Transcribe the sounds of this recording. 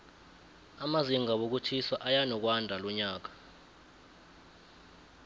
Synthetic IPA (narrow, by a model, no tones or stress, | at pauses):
amaziŋɡaɓok̬ut͡ʃʰiswaʔajanɔk̬wandʱalɔɲaːk̬ḁ